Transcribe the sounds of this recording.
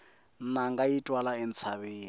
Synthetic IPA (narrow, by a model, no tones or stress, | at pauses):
naŋɡajitʼwalaɛnt͡sʰaβiː